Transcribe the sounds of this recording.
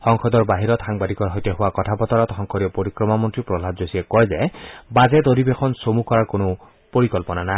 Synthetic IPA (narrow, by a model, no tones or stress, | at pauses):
xɔŋxʰɔd̪ɔɹbaɦiɾɔt̪xaŋbad̪ikɔɹɦɔjteɦʊwakɔtʰapɔt̪ɔɹɔt̪xɔŋkʰɔɾiɔpoɾikɹɔmamɔntɹipɹɔlʱabzosiekɔɹjzɛbazed̪oɾibexʰɔnsomukɔɹaɹkonʊ | poɹikɔlpɔnana